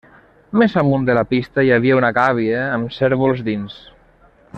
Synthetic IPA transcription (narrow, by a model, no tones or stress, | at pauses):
mezamund̪əlapist̪əjaβ̞iaunaɣaβ̞iəːmseɾβulˠzd̪ins